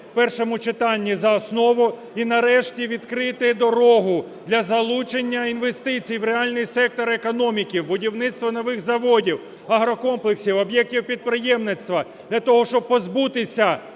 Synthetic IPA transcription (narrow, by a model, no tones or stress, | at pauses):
pɛrʃɔmʊt͡ʃɪt̪ɑnʲːizɐɔsnɔʋʊ | inɐɾɛʃtʲiʋʲid̪kɾɪt̪ɪd̪ɔɾɔɦʊ | d̪lʲɐzɐlˠut͡ʃenʲːɐinʋe̞st̪ɪt͡sʲijwɾeɑlʲnɪjsɛk̚t̪ɔɾekɔnɔmʲikʲiwbʊdʲiwnɪt̪st̪ʋɔnɔʋɪxzɐʋɔdʲiw | ɐɦɾɔkɔmplˠeksʲiwɔbjɛk̚tʲiwpʲid̪̚pɾɪjɛmnɪt̪st̪ʋɐ | d̪̥lʲɐt̪ɔɦɔʃt͡ʃɔb̚pɔzbut̪ɪsʲɐ